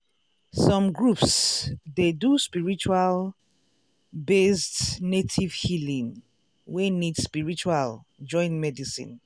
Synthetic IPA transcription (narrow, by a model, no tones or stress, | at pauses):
sɔ̃mɡɹupsdeduspiɹit͡ʃual | bestnetʰiv̥hilĩŋ | wenidspiɹit͡ʃual | d͡ʒɔ̃ɪ̃nmɛdisḭ̃n